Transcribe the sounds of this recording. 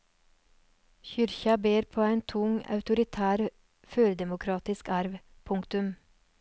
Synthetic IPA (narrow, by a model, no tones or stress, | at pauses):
çʏɾçɑbeːɾpʰoːæɪnt̪ʰʊŋɑ̰ʉt̪ʊɾɪt̪ʰæːɾ | føːɾd̪ɛmʊkʰɾɑːt̪ɪskɑɾʋ | pʰʊŋkt̪ʉm